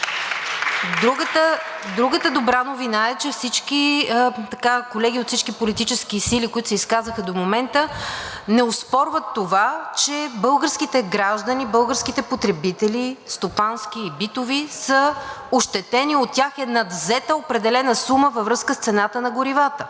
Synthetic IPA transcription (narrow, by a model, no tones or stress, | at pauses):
d̪ɾuɡət̪əd̪ɾuɡət̪əd̪obɾanovinaɛt͡ʃɛfsit͡ʃkit̪ɐkakolɛɡʲiot̪fsit͡ʃkipolit̪it͡ʃɛskisilikoit̪ʊsɛiskazvəxəd̪omomɛnt̪ənɛospɔɾvət̪ːovat͡ʃɛbɤlˠɡəɾskit̪ɛɡɾaʒd̪ənibɤlˠɡəɾskit̪ɛpot̪ɾɛbit̪ɛlist̪opansk̟iːbit̪ovisəoʃt̪ɛt̪ɛniot̪ːʲaxɛnɐd̪vzɛt̪əopɾɛd̪ɛlɛnəsuməvəvɾɤskəst̪sɛnat̪ənɐɡʊɾivat̪ə